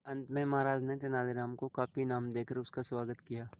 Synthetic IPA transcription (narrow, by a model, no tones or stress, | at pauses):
ɐ̃nt̪mẽmɐɦaːɾaːd͡ʒnet̪ɐnaːleɾaːmkokaːpinaːmd̪eːkəɾʊskaswaːɡət̪kijaː